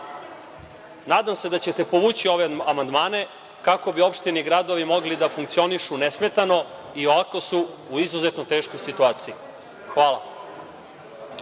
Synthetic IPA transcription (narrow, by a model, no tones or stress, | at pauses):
naːd̪amse̞d̪at͡ɕet̪e̞po̞ʋuːt͡ɕio̞ʋeamand̪maːne̞ | kako̞bio̞pʃt̪iniɡɾad̪o̞ʋimo̞ɡlid̪afuŋkt̪sio̞niʃunesmet̪ano̞ | ioʋakosuːizuzet̪not̪e̞ːʃko̞jsit̪uaːt̪sii | xʋaːla̰